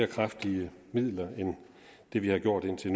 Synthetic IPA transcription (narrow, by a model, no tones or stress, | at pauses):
ɐkʰʁafd̥iə | mið̰ˠlɐen | d̥e̝ʋihɑ̈ɡ̥jo̝ɐ̰d̥e̝n̰t͡sʰe̝n